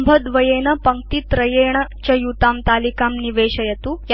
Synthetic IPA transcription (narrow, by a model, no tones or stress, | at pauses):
mbʱəd̪ʋɐjenɐpɐŋ̚t̪iːt̪ɾɐjeɳɐt͡ɕɐjut̪amt̪alikamniʋeɕɐjet̪uj